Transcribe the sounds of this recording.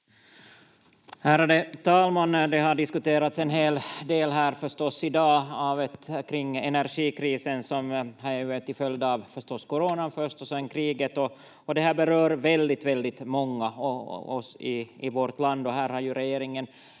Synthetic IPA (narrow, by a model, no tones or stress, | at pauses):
hæːɾad̪ɛt̪ʰɑːlmand̪ɛɦaɖɪskʉt̪eːɾat̪sɛnɦeːld̪eːlɦæːɾfœʂt̪ɔsːɪd̪ɑːɑvɛt̪kʰɾɪŋːɛnæɾɧiːkʰɾiːsənsɔmhɑɾɛt̪ɪfœljd̪ɑːvfœʂtɔsːkɔɾoːnafœʂt̪ɔsɛnːkʰɾiːɡət̪ɔ | ɔd̪ɛhæːbɛɾøːɾvɛld̪ɪt̪vɛld̪ɪt̪mɔŋːaɔɔ̰sɪɪvɔɾt̪land̪ɔɦæːɾhɑɾjʉɾɛjeːɾɪŋən